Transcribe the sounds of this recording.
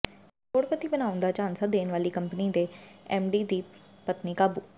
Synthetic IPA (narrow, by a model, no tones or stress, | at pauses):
toːɽpət̪iːbənãːʊnd̪aːt͡ʃaːnsəd̪eːnʋaːliːkəmpniːd̪eːɛːmɖiːd̪iː | pət̪niːkaːbuː